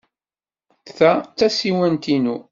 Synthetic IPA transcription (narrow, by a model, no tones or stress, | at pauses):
θæt͡sːæsiwænt̪inu